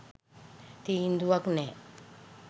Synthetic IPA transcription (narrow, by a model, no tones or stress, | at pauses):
t̪iind̪uwakne